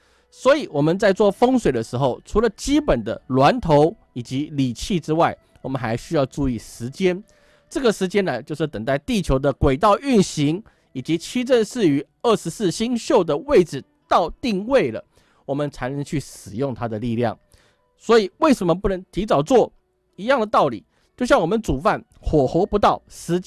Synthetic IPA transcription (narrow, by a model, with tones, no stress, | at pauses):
swɔ˧˥i˨˩wɔ˨˩mə˨nt͡sa˥˧ɪt͡swɔ˥˨˩fə˥ŋswe˨˩ɪd̪ə˦ʂɻ̩˧˥xo˥˩ʊʈ͡ʂʰu˧˥lə˨t͡ɕi˥pə˨˩nd̪ə̰˦lwa˧˦nt̪ʰo˧˥ʊ | i˨˩t͡ɕi˧˦li˨˩t͡ɕʰi˥˩ʈ͡ʂɻ̩˥wa˥˩ɪ | wɔ˨˩mə˦nxa˧˥ɪɕy˥jɑ˥˧ʊʈ͡ʂu˥˧i˥˩ʂɻ̩˧˥t͡ɕjɛ˦˥n | ʈ͡ʂɤ˥˩ɡə˩ʂɻ̩˧˥t͡ɕjɛ˥nlə˨t͡ɕjo˥˧ʊʂɻ̩˥˩t̪ə˨˩ŋt̪a˥˧ɪt̪i˥˩t͡ɕʰjo˧˥ʊd̪ə˧kwe˨˩ɪt̪ɑ˥˧ʊy˥˩nɕi˧˥ŋ | i˨˩t͡ɕi˨˦t͡ɕʰi˥ʈ͡ʂə˥˧nʂɻ̩˥˩y˧˥ | ə˥˩ʂɻ̩˧˥sɹ̩˥˩ɕi˥ŋɕjo˥˩ʊd̪ə˨we˥˩ɪʈ͡ʂɻ̩˨˩ | t̪ɑ˥˧ʊt̪i˥˧ŋwe˥˩ɪlə̰˩ | wɔ˨˩mə˧˦nt͡sʰa˧˥nə˧˥ŋt͡ɕʰy˥˩ʂɻ̩˨˩jʊ˥˩ŋt̪ʰa˥d̪ə˨li˥˧ljɑ̰˥˩ŋ | swɔ˧˥i˨˩we˥˩ɪʂə˧˥mə˧p̬u˥˩nə˧˦˥ŋt̪ʰi˧˥t͡sɑ˨˩ʊt͡swɔ˥˩ | i˧˥jɑ˥˩ŋd̪ə˩t̪ɑ˥˩ʊlḭ˨˩ | t͡ɕjo˥˧ʊɕjɑ˥˩ŋwɔ˨˩mə˨˦nt͡su˨˩fa˥˩n | xwɔ˨˩xo˧˥ʊpu˧˥t̪ɑ˥˩ʊʂɻ̩˧˥t͡ɕ